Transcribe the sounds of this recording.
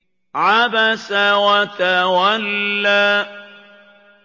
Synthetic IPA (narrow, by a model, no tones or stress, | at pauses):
ʕabasawat̪awalːaː